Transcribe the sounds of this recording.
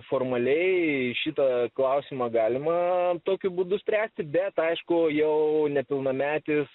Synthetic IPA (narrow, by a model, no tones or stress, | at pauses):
foːrmɐlʲɛɪʃʲit̪ɐklˠɐʊsʲɪmɑɡɑːlʲɪmɐt̪oːkʲʊbuːd̪ʊsʲpʲɾʲæːsʲt̪ʲɪbʲɛt̪ɐɪʃkʊjɛʊnʲɛpʲɪlˠnɐmʲæːt̪ʲɪs